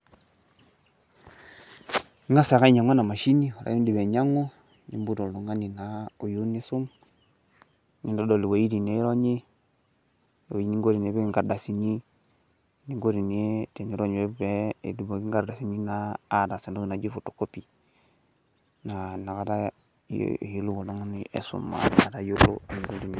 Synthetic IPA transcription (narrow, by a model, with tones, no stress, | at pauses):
ŋa˦sa˨ka˦i˦ɲa˨ŋo˦na˨ma˨ʃi˦ni˦u˨ɾa̰˨˦i˦ndi˨be˨ɲa˦ŋo˦ | nḭ˦mbu˦do˨ldu˨ŋa˦ni˨na˨u˨ju˦ni˦su˦m | ni˦do˦do˨li˨wa˨ji˦di˨ne˦ɾo˦ɲe˦˨ | ji˦ni˦ŋɡo˦ɾi˨ne˨˦be˦i˦ŋɡa˨ɾda˨si˨ni˦˨ | ni˦ŋɡo˦ɾi˨ne˦te˨ni˦ɾo˦ɲ˨we˦be˦˨du˨bo˨ɡi˦ŋɡa˨ɾda˨si˨˦ni˦na˦a˦da˨se˨ndo˦ɡi˨na˨d͡ʒi˦fu˨tːo̥˨ko˦pi˨ | na˨na˨ka˦ta̰˦˨ | ju˦lːu˦wo˨lo˦ŋ˦ni˦ʔḛ˨sṵ˨mːa̰˨a˨ta˦ju˦lːṵ˦˨ni˨ɡu˦di˨ni˨